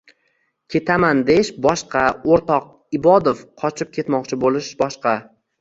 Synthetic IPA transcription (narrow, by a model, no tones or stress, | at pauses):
kʲʰe̞t̪ʰamand̪eʃbɒʃqʰɑoɾt̪ɒq̚ | ɪbɒd̪ofqʰɒt͡ʃʰɪp̚kʲʰe̞t̪mɒqt͡ʃʰɪbolɪʃbɒʃqɑ